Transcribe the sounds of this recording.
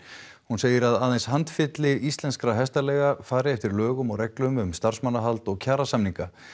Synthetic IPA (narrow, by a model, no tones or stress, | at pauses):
hunseːjɪɾaðaːðejnshant̪fɪt̪lɪist̪lɛnskɾaɦɛst̪alɛːɣafaːɾɪɛft̪ɪɾlœːɣʏmɔɣɾɛklʏmʏmst̪ar̥smanːaɦalt̪ɔɣcʰaːɾasamniŋka